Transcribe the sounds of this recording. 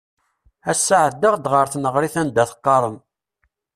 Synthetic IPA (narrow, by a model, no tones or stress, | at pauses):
æsːaʕəd̪əʁd̪ʁəɾθnəʁɾiθænd̪æθə̥qːɑɾˤən